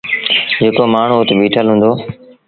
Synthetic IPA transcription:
d͡ʒeːkoːmaːɳ̤uːʊt̪ɓiːʈʰəlɦũːnd̪oː

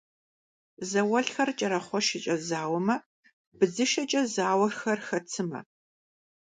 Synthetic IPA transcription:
zɐwɐɬxɐrt͡ʃʼɐɾɐχʷɔʃɪt͡ʃʼɐzaːwɐmɐ | bɨzɨʃɐt͡ʃʼɐzaːwɐrxɐrxɐt͡sʰɨmɐ̰

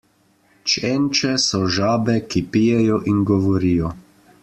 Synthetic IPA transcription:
t͡ʃɛnt͡ʃɛsɔʒaːbɛkipijɛjɔʔinɡɔʋɔɾijɔ

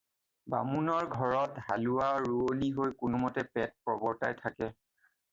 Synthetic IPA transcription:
ba̰munɔɹɡʱɔɹɔtɦalʊwaɹuoniɦojkʊnumɔtɛpɛt̚pɹɔbɔɹtajtʰakɛ

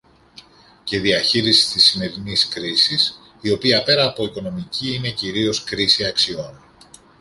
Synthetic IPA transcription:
ce̞ðiɐçiɾisi̥st̪isːime̞ɾiniskɾisis | io̞piɐpe̞ɾɐːpo̞iko̞no̞miciine̞ciɾio̞skɾisiɐksio̞n

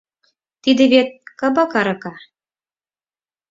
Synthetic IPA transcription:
t̪id̪ĕβet̪̚kɑbɑkɑɾɤ̆kɑ

